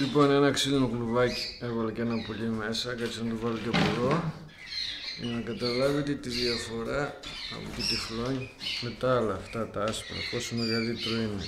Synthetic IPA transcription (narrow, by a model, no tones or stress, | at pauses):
lipo̞nenɐksilinokluvɐci̥e̞vɐlecenɐpoʎime̞sɐkɐt͡siɐnt̪uvɐloc̪epoɾo | jinɐkɐt̪ɐlɐvit̪et̪iðiɐfo̞ɾɐ̰ːpot̪it̪ifloɲimet̪ɐɐlɐːft̪ɐt̪ɐɐspɐɾɐ̰posumeɣɐlit̪ɾoine